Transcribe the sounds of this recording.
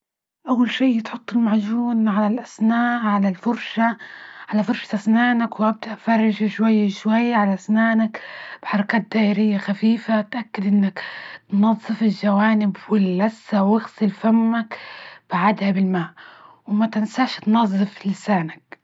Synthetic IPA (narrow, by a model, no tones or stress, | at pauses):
ʔawːalʃiːjɪt̪ħʊt̪ˤːɪlmaʕd͡ʒuːnʕalalʔasnaːʔʕalalfʊɾʃaʕalafʊɾˤʃḁt̪ʔasnaːnakwʔab̚d̪aʔfɑrˤːɑʒaʃwajːaʃwajːaʕalaʔasnaːnakb̥ħɑɾˤɑkaːt̪̚d̪aːʔɪɾɪjːaxafiːfat̪ʔakːɪd̪ʔɪnːakt̪nɑðˤːɨfɪlʒawaːnɪbwɪlːasːawɪxsɪlfamːakb̥aʕad̪habɪlmaːʔ | wmat̪ɪnsaʃt̪nɑzˤːɨflɪsaːnak̚